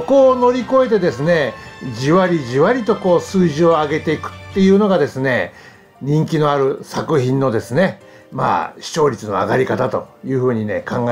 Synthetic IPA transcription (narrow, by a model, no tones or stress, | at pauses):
ko̞ːno̞ɾʲiko̞e̞t̪e̞d̪e̞sɨne̞d͡ʑiβaɾʲiʑiβaɾʲit̪o̞ko̞ːsɨːʑio̞aɡe̞t̪e̞ikɯ̟̥t̪ːe̞jɯ̟ːno̞ɡad̪e̞sɨne | ɲ̟ĩŋkʲino̞aɾɯ̟sakɯ̟çĩnːo̞d̪e̞sɨne̞ | ma̰ːɕi̥t͡ɕo̞ːɾʲit͡sɨno̞̰a̰ɡaɾʲikat̪at̪o̞̰jɯ̟ːɸɯ̟ːɲ̟ine̞̰kãŋɡae